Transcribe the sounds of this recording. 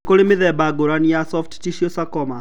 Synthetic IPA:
koɾemeðɛbaɡoɾanijasɔftt͡ʃiʃiɔsakɔma

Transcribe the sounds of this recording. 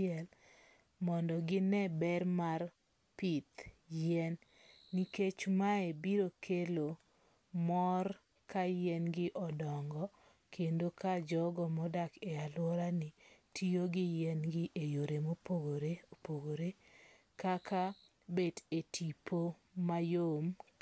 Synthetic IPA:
ɪɛl | mɔndɔɡɪnɛbɛrmar | pit̪jɛnː | iket͡ʃmaebiɾokʰelo | mɔr | kajɛnɡɪʔɔdɔŋɡɔ | kʰendokad͡ʒɔɡɔmɔdakealwɔɾanɪtʰioɡɪjɛnɡɪʔejoɾemopoɡoɾepoɡoɾe | kaka | bedetʰipo | majom

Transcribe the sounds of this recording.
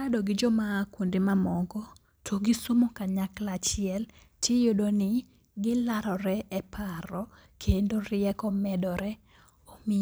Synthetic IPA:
adɔɡɪd͡ʒɔmaːkondimamɔɡɔ | tʰoɡɪsomokaɲaklat͡ʃɪɛl | tjejodonɪ | ɡɪlaɾɔɾɛɛpʰaɾɔ | kʰendorɪɛkɔmɛdɔɾɛ | omi

